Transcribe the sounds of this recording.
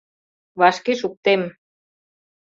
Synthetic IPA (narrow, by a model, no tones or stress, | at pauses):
βɑʃkeʃuk̚t̪em